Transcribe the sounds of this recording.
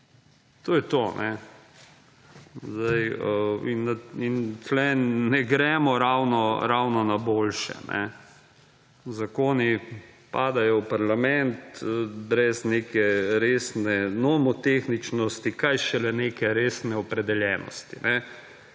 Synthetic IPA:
t̪oːjɛt̪onʔɛ | zd̪ajəinaint͡ʃlɛnɛɡɾɛːmɔɾawnɔɾawnɔnaboːlʃɛ̰nɛ̰ | zakoːnipaːd̪ajɔwpaɾlamɛnt̪bɾɛznekɛɾeːsnɛnɔmɔt̪exnit͡ʃnɔst̪ikajʃɛlɛnekɛɾeːsnɛɔpɾɛd̪ɛljɛːnɔ̰st̪ḭnɛ

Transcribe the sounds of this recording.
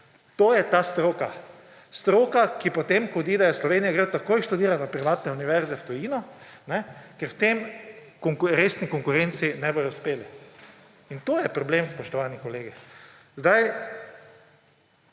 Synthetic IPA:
t̪oːjɛt̪ast̪ɾoːka | st̪ɾoːkakipɔt̪emkɔd̪iːd̪ajɛslɔʋeːnijaɡɾət̪akoːjʃt̪ud̪iːɾanapɾiʋaːt̪nɛuniʋɛɾzɛwt̪ɔjiːnɔnɛkɛɾwt̪em | kɔŋkɾeːsnikɔŋkʊɾent̪sinɛbojɔwspeːli | int̪oːjɛpɾɔblemspɔʃt̪ɔʋaːnikɔleːɡɛ | zd̪aj

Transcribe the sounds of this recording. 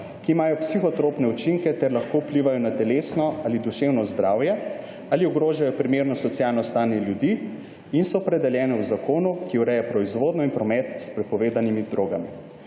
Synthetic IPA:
kiːmaːjɔpsixɔt̪ɾoːpnɛut͡ʃiŋkɛt̪ɛɾlaxkoupliːʋajɔnat̪ɛleːsnɔalid̪uʃewnɔzd̪ɾawjɛ | aːliɔɡɾoːʒajɔpɾimeɾnɔsɔt̪sjalnɔst̪aːnjɛljud̪iː | insɔpɾɛd̪ɛljɛːnɛwzakʰoːnukiuɾɛjɛpɾɔizʋoːd̪nɔinpɾɔmɛt̪spɾɛpɔʋeːd̪animid̪ɾoːɡami

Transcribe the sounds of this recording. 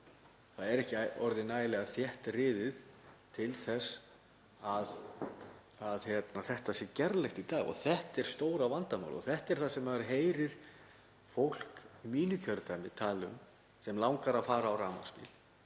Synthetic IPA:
θaðɛɾɛhcɪɔɾðɪnaːjɪlɛɣaθjɛht̪rɪːðɪðt̪ʰɪlθɛs | að | aðçjɛt̪naθɛht̪asjɛcɛɾlɛxt̪it̪aːɣɔ̰θɛht̪ɛɾ̥st̪oːwɾawvant̪ama̰wlɔ̰θɛht̪ɛɾ̥θasɛmaaɾɦeːjɾɪɾ̥ | fowl̥kimiːnʏcʰœɾt̪ʰaːmɪt̪ʰaːlʏm | sɛmlawŋkaɾafaːɾaːwɾaːma̰spɪ̰l̥

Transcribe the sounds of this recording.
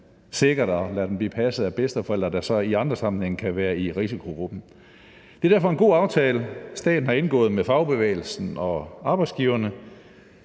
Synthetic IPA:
se̝ɡ̥ɐd̥ɒlæɐd̥emb̥lḭːpʰæsð̩ˠæb̥esd̥fɒ̽el̰d̥ɐd̥ɑsɒ̽iɑ̈nd̥ʁɐsɑ̈mn̩heŋ̩kʰæʋæːɐiʁisikʰo̝ɡ̥ʁub̥n̩ | d̥e̝ɐd̥æɐfɒ̽e̝nɡo̝̰ːɑ̈ʊt͡sʰɛːləsd̥ɛ̰ːd̥n̩hɑ̈e̝nɡ̥ɔ̰ːð̩ˠmefɑ̈ʊb̥e̝ʋḛːɪl̩sn̩ɒ̽ʔɑ̈ːb̥ɑ̈ɪ̥sɡ̥iʊɐnə

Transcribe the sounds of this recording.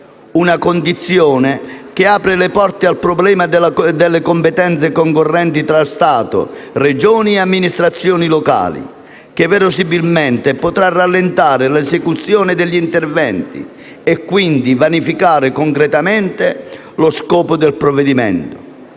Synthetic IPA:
unakond̪it̪sːjɔːnɪk̟ɪaːpɾɪlɪpɔrt̪ɪalpɾɔblɛːmad̪d̪ɛlːekɔmpet̪ɛnt̪sekɔŋkorːɛnt̪it̪ɾalst̪aːt̪ʊ̰red͡ʒɔːniɛamːinist̪ɾat̪sːjɔːnilɔka̰ːlḭ | k̟ɪvɛɾʊsibilmɛnt̪ɪpot̪ɾarːalːent̪aːɾɪlɛsekut̪sːjɔːnɪd̪ɛʎːint̪ɛrvɛnt̪ḭ | ɛkːwind̪ivanifikaːɾɪkɔŋkɾɛt̪amɛnt̪ɪ | lʊskɔːpʊd̪ɛlpɾɔvːɛd̪imɛ̰nt̪ʊ̥

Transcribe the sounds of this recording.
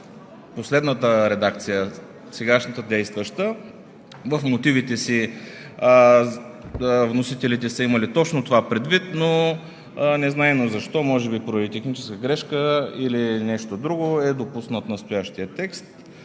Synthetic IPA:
poslɛd̪nət̪əɾɛd̪ak̚t̪sijə | sɛɡaʃnət̪əd̪ɛjst̪vəʃt̪ə | vəfmot̪ivit̪ɛsi | vnosit̪ɛlit̪ɛsəiməlit̪ɔt͡ʃnot̪ovapɾɛd̪vit̪no | nɛznaɛnozɐʃt̪ɔmɔʒɛbipɾovit̪ɛxnit͡ʃɛ̥skəɡɾɛʃkəilinɛʃt̪od̪ɾuɡoɛd̪opusnət̪nəst̪ojaʃt̪iət̪ɛkst̪

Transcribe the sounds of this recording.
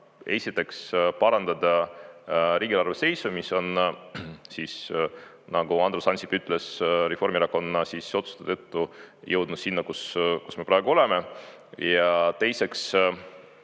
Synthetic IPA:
e̞sit̪ːˑe̞kspɑɾɑnd̪̥ɑd̪ɑ | ɾiːɡ̥ilɑrvese̞jsumiso̞n | siːs | nɑɡuɑnd̪ɾosɑnsipyt̪ːˑle̞srefo̞rmiɾɑkːo̞nːɑsiːso̞t̪su̥t̪et̪et̪ːujɤwd̪̥nud̪̥sinːɑkusku̥sme̞pɾɑeɡuo̞le̞me̞ | jɑt̪e̞jse̞ks

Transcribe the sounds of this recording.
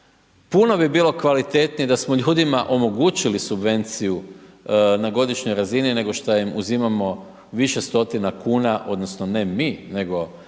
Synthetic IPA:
puno̞bibiːlo̞kʋalit̪e̞t̪nijed̪asmo̞ʎuːd̪imaʔo̞mo̞ɡut͡ɕilisubʋe̞nt̪siju | naɡo̞d̪iʃɲo̞jɾazinine̞ɡo̞ʃt̪ajimuzimamo̞ | ʋiʃe̞st̪o̞t̪inakuːnaʔo̞d̪no̞sno̞ne̞mine̞ɡo̞

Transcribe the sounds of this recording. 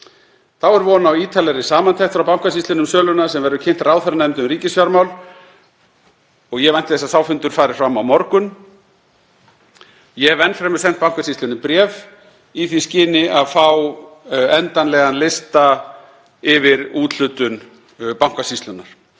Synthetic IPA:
θawɛɾvɔːnawiːt̪ʰalɛɾɪsaːmant̪ʰɛxt̪fɾawpawm̥kasist̪ʏnʏmsœːlʏnasɛmvɛɾðʏcʰɪn̥t̪rawθɛɾanɛmt̪ʏmriːcɪsfjaɾmawl | ɔɣjɛvɛn̥t̪ɪθɛsasaːwfʏnt̪ʏɾ̥faːɾɪɾ̥fɾamːawmɔɾkʏn | jɛvɛnːfɾɛmʏɾ̥sɛn̥t̪̚pawm̥kasist̪ʏnʏmpɾjɛːv | iθiscɪːnɪʔaðfaw | ɛnt̪anlɛɣanlɪst̪a | ɪvɪɾuːt̪l̥ʏːt̪ʏn | pawm̥kasist̪lʏnːaɾ̥

